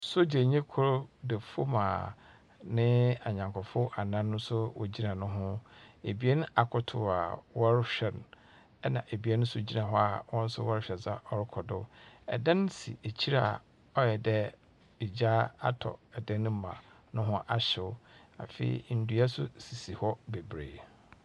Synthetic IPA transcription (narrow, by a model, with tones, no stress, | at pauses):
so˦d͡ʑe˨ɲẽ˦kʰʊ˦ɾdɛ˨fo˦mã̰ː˨ | nɪ̃˦a˨ɲã˨ŋkʰɔ˨fʊ˦a˨nã˦nː˦ʊ̃˦sʊ˦wɔ˨d͡ʑi˦nã˨nʊ̃˦ɦʊ̃˦e˨bi˨˦e˦ñ˦a˨kʰʊ˨tʰʊ˨a̰˨wɔ˦ɾɪ˦ɕᶣɛ˨n˨ | ɛ˦nã̰˨ʔe˨bi˨˦e˦nʊ̃˦sʊ˦d͡ʑi˦nã˨ɦʊ˦a˨wɔ̃˦n̩˦sʊ˦wɔ˦ɾɪ˦ɕᶣɛ˨za˦ɔ˦ɾɪ˦kʰɔ˨dʊ˦ɛ̰˨dɛ̃˦n˦sḭ˨e˨t͡ɕʰi˦ɾa˨ | ɔ˦jɛ˨dɛ˦ | ɪ˨d͡ʑa˦a̰˦tʰɔ̰˨ɛ˨dɛ̃˦ñ˦mã̰˨ | nʊ̃˦ɦʊ̃˦ʔa˨ɕɪ˨ʊ˦ | a̰˨fḛ˨ḭ˨n̩˨du˨a˦sʊ̰˦si˨si˨hɔ˦be˨bɾḛː˨